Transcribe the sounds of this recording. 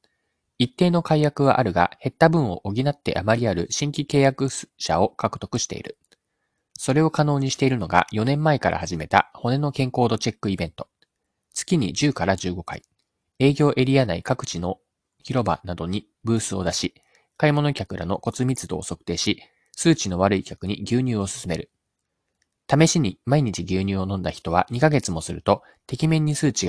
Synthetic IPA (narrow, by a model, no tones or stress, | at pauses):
it̪ːe̞ːno̞kaijakɯ̟βa̰ʔaɾɯ̟ɡa̰he̞t̪ːabɯ̟̃ɰ̃o̞ʔoɡʲinat̪ːe̞̰ʔamaɾʲiaɾɯ̟̰ɕĩŋkʲike̞ːjakɯ̟ɕa̰o̞kakɯ̟̥t̪o̞kɯ̟ɕi̥t̪e̞̰ḭɾɯ̟ | so̞ɾe̞o̞kano̞ːɲ̟iɕi̥t̪e̞iɾɯ̟no̞ɡa̰jo̞nẽ̞mːaekaɾʔa̰haʑime̞t̪a̰ho̞ne̞no̞kẽ̞ŋko̞ːd̪o̞t͡ɕe̞kːɯ̟ibẽ̞nt̪o̞̥ | t͡sɨ̥kʲiɲ̟ḭd͡ʑɨːkaɾad͡ʑɨːɡo̞ka̰ḭ | e̞ːɡʲo̞ːʔe̞ɾʲianaikakɯ̟̥t͡ɕino̞ | çiɾo̞ba̰nad̪o̞ɲ̟i | bɯ̟ːsɨo̞̰d̪aɕi | kaimo̞no̞kʲakɯ̟ɾʔa̰no̞ko̞t͡sɨmʲit͡sɨd̪o̞̰ːso̞kɯ̟̥t̪e̞ːɕi | sɨːt͡ɕino̞β̞aɾɯ̟ikʲakɯ̟ɲ̟iɡʲɨːɲ̟ɨːo̞sɨ̥sɨme̞ɾɯ̟ | t̪ame̞ɕiɲ̟imaiɲ̟it͡ɕiɡʲɨːɲ̟ʲɨːo̞nõ̞nd̪açʲi̥t̪o̞βa̰ɲ̟ikaɡe̞t͡sɨmo̞sɨɾɯ̟t̪o̞ | t̪e̞kʲimẽ̞ɲ̟ːisɨːt͡ɕiɡ